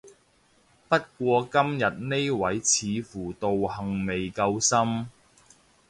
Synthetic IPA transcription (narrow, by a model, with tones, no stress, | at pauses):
pɐ˥t̚kʷɔː˧kɐ˥mjɐ˨t̚ne˥jwɐ˨˥jt͡sʰiː˨˧fuː˨˩t̪o˨whɐ˨˩ŋme˨jkɐ˧wsɐ˥m